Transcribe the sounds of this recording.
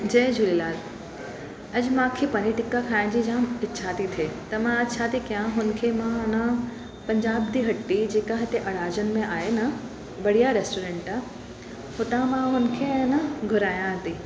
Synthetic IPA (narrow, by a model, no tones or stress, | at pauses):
d͡ʑɐːd͡ʑʱʊlilaːl | ɐd͡ʑmãːkʰepɐniʈɪkːakʰaːɪnd͡ʑid͡ʑãːmɪtːʃʰat̪ʰit̪ʰeːt̪ɐmãɐtːʃʰat̪ʰikijãɦʊnkʰemãnə | pɐ̃ɲd͡ʑaːb̚d̪iɦɐʈːid͡ʑeːkaɦɐt̪eʔɐɽaːd͡ʑənɪ̆mẽaːɦenɐ | bɐɽ̤ijaɾeːsʈoːɾẽːɳʈa | hʊt̪ãmãɦʊnkʰenəɡʱʊɾaːjãɦɐt̪i